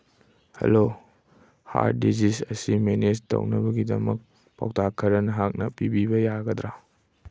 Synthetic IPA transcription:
hɐ̰lo | ha̰ɾ̚dizisɐsimenestɐ̰wnɐbɐɡidɐmɐk̚ | pa̰wtʰakʰːɐɾɐnɐɦak̚nɐpibibɐjaɡɐd̪ɾa

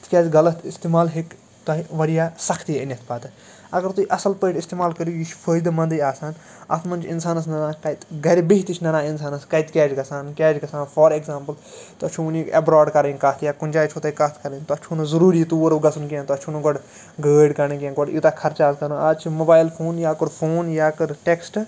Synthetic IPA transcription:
t̪ʰkʲaːd͡ʒɡɐlɐt̪ʰɪst̪eːmaːlɦek | t̪ɐɦʋɐɽijaːsɐkʰt̪ijɪnɐt̪ʰpaːt̪ɨ | ɐɡəɾt̪uiʔɐsɐlpəːʈɪst̪eːmaːlkəɾjujit͡ʃʰpʰəːjd̪ɐmɐ̃nd̪ɐjaːsaːn | ɐ̰t̪ʰmɐnt͡ʃʰɪnsaːnɐs̬nɐnaːkɐt̪ɡɐɾibiɦt̪it͡ʃʰnɐnaːɪns̬aːnɐskɐit̪kʲɛːd͡ʒɡɐsaːnkʲaːd͡ʒɡɐsaːnfʰɔːɾekzaːmpəl | t̪ɐt͡ʃʰuunikɐbɾaːɖkɐɾẽnʲkɐt̪ʰjaːkʊnʲd͡ʒaːt͡ʃʰot̪ekɐt̪ʰkɐɾənt̪ɐt͡ʃʰunɐzɐɾuːɾit̪uːɾɡɐsunkijãːt̪ɐt͡ʃʰunɐɡɔɽ | ɡəːɖkɐnikijãːɡɔɽit̪aːkʰɐɾt͡ʃaːzkɐɾnuaːt͡ʃʰmobaːjɪlpʰoːnjaːkʊɽpʰoːnjaːkɐɾʈeksʈ

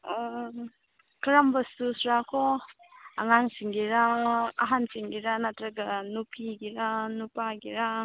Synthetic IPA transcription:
ɔ | kʰɯɾambɐsusɾakʰɔ | aŋaŋsiŋɡiɾaaɦansiŋɡiɾanatɾɐɡanupʰiɡiɾanupaɡiɾa

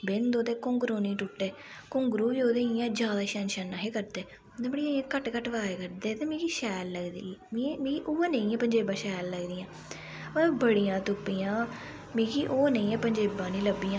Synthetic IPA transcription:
bɪnd̪oːd̪eːkʊ̃ŋɡɾoːnĩːʈʊʈːeː | kʊŋɡɾuːʋiːoːd̪eːiãːd͡ʒjaːd̪aːʃɛːnʃɛːnːãːɦeːkəɾd̪eː | d̪ẽːbəɽijãːiẽːkəʈkəʈʋaːekəɾd̪eːt̪eːmĩːkiːʃɛːlːəɡd̪ḭːmĩmĩːkiːʔʊːeːnə̃ĩːɛːpəɲd͡ʒeːbãːʃɛːlːəɡd̪iːãː | əbəɽijãːt̪ʊpːiːãː | mĩːkiːʔoːnə̃ĩːɛːpəɲd͡ʒeːbãːnĩːləbiːãː

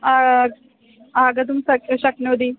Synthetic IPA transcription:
a | aːɡɐd̪umsɐkɕɐknoːd̪iː

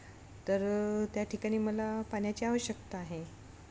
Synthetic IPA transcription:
t̪əɾt̪jaʈʰikaɽ̃iːməlapaɳjat͡ɕiaʋəɕjəkt̪aaɦe

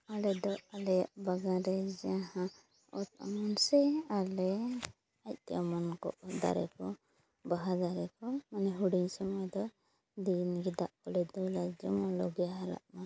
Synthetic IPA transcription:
alɛd̪ɔalɛjaʔbaɡaɾɛd͡ʒɛãhã | ɔt̪ɔ̰mɔnsɛalɛ | ac̚t̪ɛ̰amɔnkɔ̰ʔd̪a̰ɾɛ̰kɔ | baɦad̪aɾɛkɔmanɛɦuɽiɲsɔmɔjd̪ɔ | d̪inɡid̪aʔkɔlɛd̪ɔlad͡ʒɔmɔlɔɡɛjaɦaɾa̰ʔmã

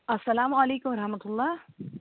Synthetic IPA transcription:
ɐsːɐlaːmɐleːkʊmɾɐħmɐt̪ʊlˠˤːɑː

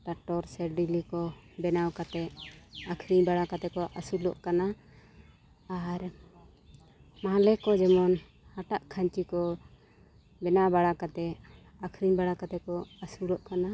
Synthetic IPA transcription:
ʈaʈɔɾsɛɾɖilikɔ | bɛnawkat̪ɛakʰɾiɲbaɽakat̪ɛkɔʔasulɔʔkana | aɾ | malɛkɔd͡ʒɛmɔn | haʈaʔkʰaɲt͡ʃikɔ | bɛnabaɽakat̪ɛ | akʰɾiɲbaɽakat̪ɛkɔasulɔʔkana

